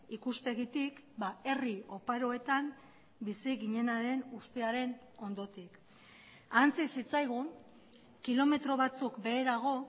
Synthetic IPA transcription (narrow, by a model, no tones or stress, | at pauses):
ikuspe̞ɣit̪ikbae̞rio̞paɾo̞e̞t̪am | bisiɣiɲe̞naɾe̞nust̪e̞aɾe̞n | o̞nd̪o̞t̪ik | ant͡sisit͡sajɣ̞un | kilo̞me̞t̪ɾo̞β̞at͡sukbe̞ːɾaɣ̞o̞